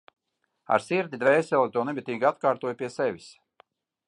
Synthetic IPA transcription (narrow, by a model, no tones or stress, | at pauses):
a̰ɾsiɾd̪ʲid̪vɛjsʲɛlˠit̪uɔnɛbʲit̪ʲiːɡat̪kaːɾt̪uɔjpʲiɛsɛvʲis